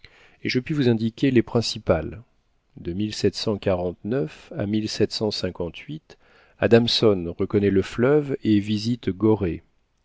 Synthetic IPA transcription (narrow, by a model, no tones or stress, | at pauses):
eʒəpɥivuzɛ̃d̪ikʲelepχɛ̃sipal | d̪əmilsɛt̪sɑ̃kaʁɑ̃t̪nœfa̰milsɛt̪sɑ̃sɛ̃kɑ̃t̪ʰɥit̪ | a̰d̪amsɔnʁəkɔnɛləflœvevizit̪ɡɔʁe